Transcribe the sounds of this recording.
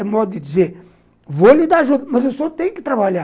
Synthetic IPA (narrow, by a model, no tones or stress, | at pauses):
ɛmɔd̪ʊd̪ɪd͡ʒ̪izeɾ | volid̪aaʒud̪ɐmɐzewsɔt̪ẽj̃kɪ̥t̪ɾabaʎa